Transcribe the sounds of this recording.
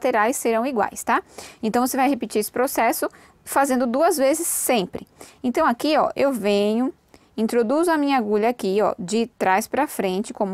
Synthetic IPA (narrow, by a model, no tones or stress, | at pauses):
t̪eɾajsːeɾɐ̃w̃iɡwa̰jst̪aẽnt̪ɐ̃w̃vosevajhepɪt͡ʃiɾesɪ̥pɾosɛsʊ | fazẽnd̪ʊd̪uɐzvezɪsːẽpɾɪẽnt̪ɐ̃w̃akiɔ̰ʔewvẽɲʊ | ĩt̪ɾod̪uzʊɐmĩɲɐaɡuʎɐakiɔ̰d͡ʒɪt̪ɾajspɾɐfɾẽnt͡ʃɪkõmʊ